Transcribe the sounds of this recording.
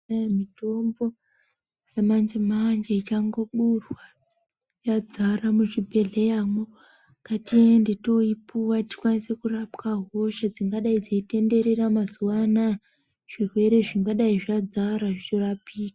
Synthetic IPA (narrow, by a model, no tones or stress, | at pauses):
mito̞mbo̞ | jamand͡ʒemand͡ʒeit͡ʃaŋɡoɓurwa | jad͡zaramuʐibʱe̞ɮejamo | katiendeto̞ipuwati̥kwanise̞kurapkaɦo̞ʃad͡ziŋɡaɗaid͡zeite̞nde̞ɾe̞ramazuwana | ʐ̥irwe̞ɾe̞ʐiŋɡaɗaiʐad͡zaɾaʐit͡ʃorapiːkḁ